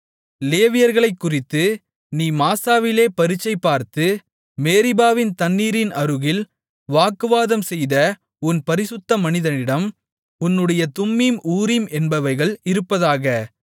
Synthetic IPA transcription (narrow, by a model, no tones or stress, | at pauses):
leːʋɪjɐɾɣɐɭɐɪkːʊrɪt̪ːɯ | niːmaːsaːʋɪleːpɐɾɪt͡ʃːɐɪpːaːɾt̪ɯ | meːɾɪbaːʋɪnt̪ɐnːiːɾɪnɐɾɯɣɪl | ʋaːkːɯʋaːðɐmsɛjðɐ | ʊnpɐɾɪsɯt̪ːɐmɐnɪðɐnɪɽɐm | ʊnːɯɽɐjɐt̪ʊmːimʔuːɾɪmɛnbɐʋɐɪɣɐɭɪɾɯpːɐðaːɣɐ